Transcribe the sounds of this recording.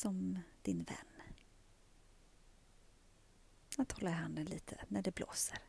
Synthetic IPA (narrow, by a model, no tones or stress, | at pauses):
sɔmd̪̥ɪnvɛ̰nː | at̪hɔlːaɾɦand̪ənliːt̪ʰə̰næɖɛblo̰ːsəɾ